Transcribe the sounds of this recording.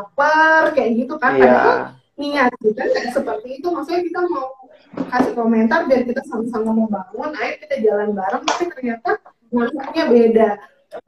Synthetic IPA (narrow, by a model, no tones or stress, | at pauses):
apərkajaʔɡit̪ukanadaka | niŋat̪̚kit̪ankajaʔsəpərt̪iːt̪umasuɲakit̪amau | kasɪkoment̪ardiaɾikit̪asamasamaməbaŋʊnaɪrk̪id̪ad͡ʒalanbaɾəŋmasɪt̪ərɲat̪a | manaaɲabeda